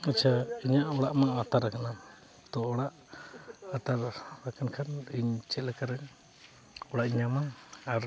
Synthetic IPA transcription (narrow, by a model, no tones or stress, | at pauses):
at͡ʃʰaiɲaʔɔɽaʔmaat̪aɾakana | t̪ɔɔɽaʔ | at̪aɾːakankʰaniɲt͡ʃɛlɛkaɾɛŋ | ɔɽaʔiɲamaaɾ